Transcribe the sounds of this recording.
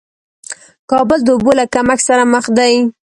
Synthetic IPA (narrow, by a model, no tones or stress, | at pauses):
kɑbʊld̪əʊbolakamaxsaɾaməxd̪aj